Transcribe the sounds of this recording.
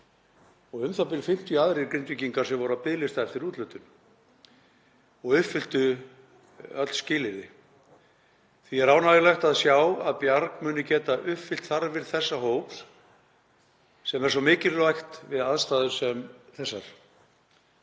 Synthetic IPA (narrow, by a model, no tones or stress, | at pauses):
ɔɣʏmθapɪlfɪm̥t̪iaðɾɪɾkɾɪnt̪ʏciŋkaɾ̥sɛmvɔɾʏapɪðlɪst̪aɛft̪ɪɾuːt̪lʏːt̪ʏn | ɔɣʏfɪl̥t̪ʏ | œt̪l̥scɪːlɪɾɪ | θiɛɾaːwnaːjɪlajxt̪aðsjawaðpjaɾkmʏːnʏcɛːt̪aʔʏfɪl̥t̪θaɾvɪɾθɛsːaɦoːwpl | sɛmɛɾsɔmɪːcɪɾlajxt̪vɪðaðst̪aːðʏ̥sɛmθɛsːaɾ̥